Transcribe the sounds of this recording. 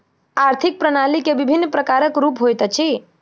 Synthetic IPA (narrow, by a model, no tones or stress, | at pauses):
aɾt̪ʰik̚pɾənalikebibʱinːpɾəkaɾəkɾupɦojt̪ət͡ʃʰi